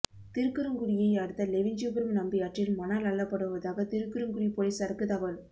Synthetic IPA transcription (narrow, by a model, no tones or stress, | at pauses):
t̪ɪɾɯkːɯɾɯŋɡɯɽɪjɐɪɐɽɯt̪ːɐlɛʋɪɲd͡ʒuːbɐɾɯmnɐmbɪjaːʈrɪlmɐnaːlɐɭːɐpːɐɽɯʋɐðaːɣɐt̪ɪɾɯkːɯɾɯmɡɯɽipoːlɐsɐɾɐkːɯt̪ɐʋɐɭ